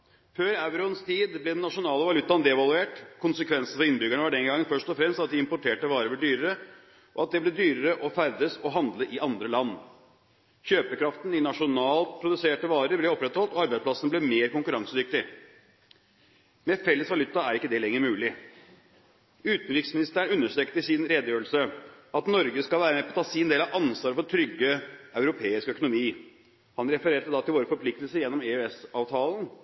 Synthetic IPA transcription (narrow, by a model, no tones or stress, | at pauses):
føːɾæʉɾʊənst̪ʰiːd̪blɛd̪ɛnːɑʂʊnɑːləʋɑlʉt̪ːɑnd̪ɛʋɑlʉeːʈkʰʊnsəkʰʋɛnsn̩fɔɾɪnbʏɡæɳəʋɑɖɛŋɡɑŋːənfœʂt̪ɔfɾɛmst̪ɑt̪̚d̪ɪɪmpʊʈʰeːʈəʋɑːɾəɾbɔɖyːɾəɾə | ʔɔɑt̪̚d̪ɛblɛd̪yːɾəɾəʔɔfæɾd̪əsɔɦɑnd̪ləʔɪʔɑnd̪ɾəlɑnː | çøːpəkɾɑft̪nɪnɑʂʊnɑːlpʰɾʊd̪ʉseːʈəʋɑːɾəɾblɛɔpːɾɛt̪hɔlt̪ɔɑɾbæɪspʰlɑsənblɛmeːɾkʊŋkʉɾɑŋsəd̪ʏk̚t̪ɪ | mɛfɛlːəsʋɑlʉt̪ːɑæɾɪkːəd̪ɛlɛŋːəɾmʉːlɪ | ʉːt̪n̩ɾɪksmɪnɪst̪æːəɳʉnːəʂʈ̪ɾɛːkt̪əsɪnɾeːd̪əjøːɾəɭsəɑt̪nɔɾɡəskɑlʋæːɾəmɛːpʰɔːt̪ʰɑːsɪnd̪eːlɑɑnsʋɑːɾəfɔʈʰɾʏɡːəɑʉɾʊpʰeːɪskœkʊnʊmiː | hɑnɾɛfəɾeːʈəd̪ɑt̪ʰɪlʋoːɾəfɔɾpʰlɪk̚t̪lsəɾjɛnːɔmɛøɛsɑːʋt̪ʰɑːlən